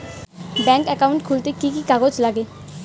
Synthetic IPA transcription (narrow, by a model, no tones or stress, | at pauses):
bɛ̃ŋkɛkauɳʈkʰult̪ekikikaɡod͡ʑlaɡe